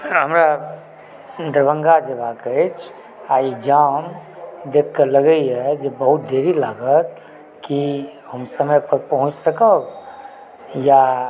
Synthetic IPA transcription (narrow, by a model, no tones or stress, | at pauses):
ɦəmɾa | d̪əɾbə̃ŋɡad͡ʒebakət͡ʃʰ | aːid͡ʒamd̪ekʰːəɾləɡəiɦɛd͡ʒebəɦut̪̚d̪ʱeɾilaɡət̪̚ | kiɦəmsəməjpəɾpəɦʊ̃t͡ʃsəkə | ja